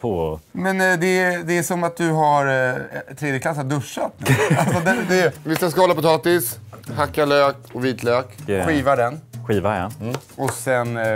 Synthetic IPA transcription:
pʰomɛnd̪ɛd̪ɛæʂɔmat̪̚d̪ɵɦaɾt̪ʰːɾeːd̪jəkʰlasːad̪ɵʂːat̪nalssɔd̪ɛd̪ɛvɪsaskahɔlapʊt̪ʰɑːt̪ɪshakːaløːkɔviːt̪ʰløːkɧiːvaɖɛnɧiːvaja̰ɔsɛn

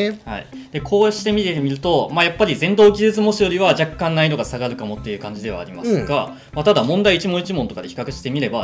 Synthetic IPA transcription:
ha̰ḭ | d̪̥e̞kʰo̞ːɕi̥t̪e̞mʲit̪emʲiɾɯ̟t̪o̞majapːaɾʲizẽ̞nd̪o̞ːkʲizet͡sɨmo̞ɕijo̞ɾʲiβaʑakːãnnːaino̞ɡasaɡaɾɯ̟kamo̞t̪ːe̞jɯ̟kãɲ̟d͡ʑid̪e̞β̞a̰ːɾʲima̰sɨɡa | mat̪ad̪amõ̞nd̪aiːt͡ɕimõ̞it͡ɕimont̪o̞kad̪e̞çi̥kakɯ̟ɕi̥t̪e̞mʲiɾe̞ba

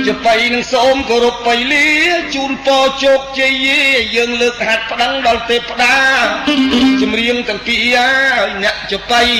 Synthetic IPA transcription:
t͡ɕəpəjnɨŋsoːmkoːɾupːəjliət͡ɕuːnpɑːt͡ɕoːk̚t͡ɕijːiːəːŋləːk̚hat̪̚pə̆ɗəŋɗɑlt̪eːpːə̆ɗaː | t͡ɕɑmriəŋt̪ɛ̆əŋpiaːjnɛ̆əʔt͡ɕəp̪əj

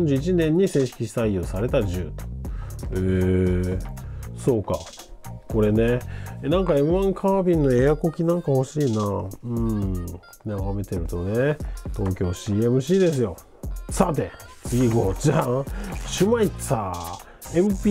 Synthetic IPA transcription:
õɲd͡ʑɨːit͡ɕinẽ̞ɲ̟ːisẽ̞ɰ̃ɕi̥kʲiɕi̥saijosaɾe̞t̪aʑɨː | e | so̞ːka | ko̞ɾe̞ne̞nãŋkae̞mɯ̟ãŋkʰaːbʲĩnːo̞e̞ako̞kʲinãŋkaho̞ɕiːnaɯ̟̃ɴ | naɡame̞t̪e̞ɾɯ̟t̪o̞net̪o̞ːkʲo̞ːɕiːe̞mɯ̟ɕiːd̪e̞s̬ɨjo̞ | sat̪e̞ | t͡sɨɡʲiɡo̞t͡ɕa | ɕɨmaisa | emɯ̟pʲi

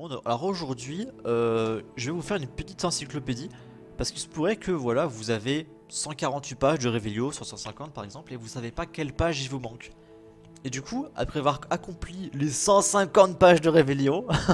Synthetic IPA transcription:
ɔ̃d̪a̰lɔʁoʒuʁd̪ɥiøʒəvɛvufɛʁynpət̪it̪ɑ̃sikloped̪i | paʁsə̥kisə̥puʁɛkʰəvwalavuzave | sɑ̃kaʁɑ̃t̪ɥipaʒd̪əʁeveljõsyʁsɑ̃sɛ̃kɑ̃t̪̚paʁɛɡzɑ̃plevusavepakʲɛlpaʒilvumɑ̃k | ed̪ykʰua̰pχɛavwaʁakɔ̃plilesɑ̃sɛ̃kɑ̃t̪̚paʒd̪əʁeveljõ

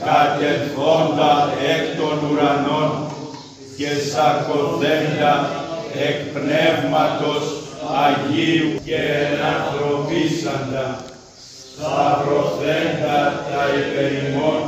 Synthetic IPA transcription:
kat̪et̪ond̪aekt̪onuɾanon | kesakotθenɡ̪aekpnevmat̪osaʝikenat̪ɾopisand̪a | sapɾotend̪at̪aipeɾimon

